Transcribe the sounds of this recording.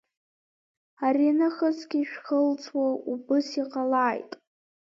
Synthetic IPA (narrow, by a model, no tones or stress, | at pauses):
arinɨχəsɡʲiʃᶣχəlt͡sʰʼwaʔubɨsiqʼalaːjtʼ